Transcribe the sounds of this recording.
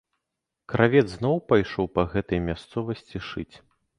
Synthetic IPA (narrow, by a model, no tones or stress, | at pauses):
kɾʔavʲɛd̪zznɔwpajʂɔwpɐɣɛt̪ɐjmʲast̪sɔvɐsʲt͡sʲiʂɨt͡sʲ